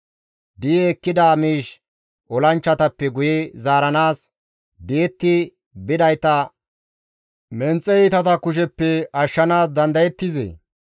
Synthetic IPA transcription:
d̪ijːkːɪd̪aːmiːʃ | ʔɔlɐnt͡ʃːɐt̪ɐpːɛɡʊjɛzaːɾɐnaːs | d̪eːt̪ːɪ | bɪd̪ɐjt̪ɐ | mɛnt͡sʼːɛɪt̪ɐt̪ɐkʊʃ̬ɛpːɛɐʃːɐnaːsd̪ɐnd̪ɐjɛt̪ːɪzḛ

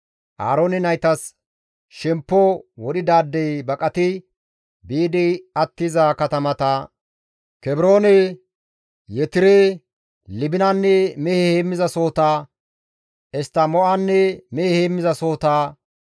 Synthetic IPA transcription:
ʔaːɾoːnɛnɐjt̪ɐs | ʃɛmpːɔwɔd̪ɪd̪aːd̪ːɛjbɐkʼɐt̪ɪ | biːd̪ɛɐt̪ːɪzɐkɐt̪ɐmɐt̪ɐ | kɛbɾoːnɛ | jɛt̪ɪɾɛ | lɪbɪnɐnːɛmɛhɛheːmːɪzɐso̞ːt̪aː | ɛst̪ːɐmɔʔanːɛmɛhɛheːmːɪzɐso̞ːt̪aː

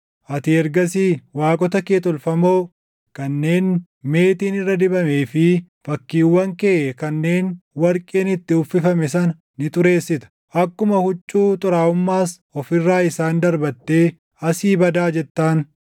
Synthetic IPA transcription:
ʔɐt̪ɪɛɾɡɐsiːwaːkʼɔt̪ɐkeːt̪ɔlfɐmo̞ː | kɐnːe̞ːn | me̞ːt̪iːnɪrːɐd̪ɪbɐme̞ːfɪfɐkːiːwːɐŋkeːʔɛkɐnːe̞ːnwɐɾkʼeːnɪt̪ːɪʊfːɪfɐmɛs̬ɐn | nɪt̪ʼʊɾe̞ːsːɪt̪ɐ̥ | ʔɐkːʊmɐhʊt͡ʃʼːuːt̪ʼʊɾaːʊmːaːs | ɔfɪrːaːɪsaːnd̪ɐɾbɐt̪ːe̞ː | ɐsiːbɐd̪aːd͡ʒɛt̪ːaːn

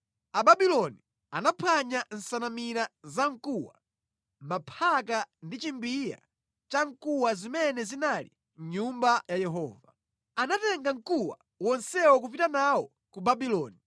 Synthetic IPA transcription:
ababilɔni | anapʰaɲan̩sanamiɾazaŋ̩kuwa | mapʰakandit͡ʃimbija̰ | t͡ʃaŋ̩kuwazimɛnɛzinalḭ | ɲɲumbajajɛɦɔ̰ːva | anatɛŋɡaŋ̩kuwa̰ | wɔnsɛwɔk̬up̬itanawɔ | kubabilɔːni

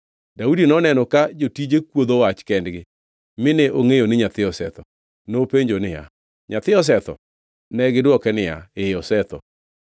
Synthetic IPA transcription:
daudinɔnɛnɔkad͡ʒotid͡ʒekwod̪owat͡ʃkɛndɡɪ | mɪneʔoŋejonɪɲat̪ɪɔsɛt̪ɔ | nopeɲd͡ʒonɪja̰ | ɲat̪ɪɔs̬ɛt̪ɔ̰ | nɛɡɪdwɔkɛnɪja̰ɪɔsɛt̪ɔ̰

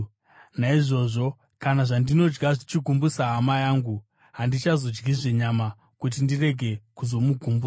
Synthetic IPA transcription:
naiʐo̞ʐo̞ | kanaʐandino̞d͡ʒɡaʐit͡ʃiɡʱumbusaɦamajaːŋɡu | ɦandit͡ʃazo̞d͡ʒɡiʐe̞ɲama | kut̬indire̞ɡʱe̞kuzo̞muɡʱumbua

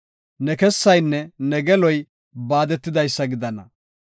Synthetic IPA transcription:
nɛkɛsːɐjnːɛnɛɡɛlɔj | baːd̪ɛt̪ːɪd̪ɐjsːɐɡɪd̪ɐnɐ̰

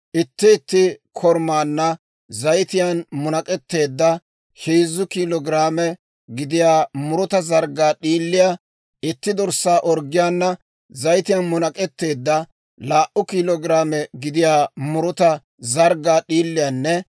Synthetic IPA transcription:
ʔɪt̪ːɪːt̪ːɪkʰɔɾmaːnːɐ | zɐjt̪ɪjanmʊnɐkʼɛt̪ːe̞ːd̪ːɐ | hiːzːʊkiːlɔɡɪɾaːmɛ | ɡɪd̪ɪjaːmʊɾʊt̪ɐzɐɾɡaːɗiːlːɪja | ʔɪt̪ːɪd̪ɔɾsːaːʔɔɾɡɪjaːnːɐ | zɐjt̪ɪjɐnmʊnɐkʼɛt̪ːe̞ːd̪ːɐ | laːʔʊkiːlɔɡɪɾaːmɛɡɪd̪ɪjaːmʊɾʊt̪ɐ | zɐɾɡaːɗiːlːɪjaːnːɛ

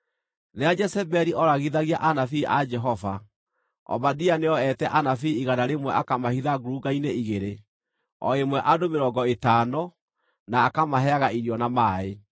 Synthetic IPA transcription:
nead͡ʒɛsɛbɛɾiʔɔɾaɣiðaɣiaʔanafiʔad͡ʒɛɦɔva | ɔ̰badianeɔɛtɛʔanafiiɣanaɾemwɛʔakamahiðaɡoɾuɡaineiɣeɾe | ɔ̰emwɛʔadomeɾɔːɡɔetaːnɔ | naːkamaɦɛaɣaiɾiɔnamaːe

